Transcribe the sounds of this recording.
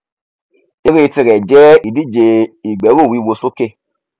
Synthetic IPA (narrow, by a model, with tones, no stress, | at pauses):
e˨˦ɾe˦˧ti˧ɾɛ˨d͡ʒɛ˦i˨di˦˨d͡ʒe˧i˨ɡ͡bɛ˨˦ɾo˦˨wi˨˦˧wo˧so˦ke˦˨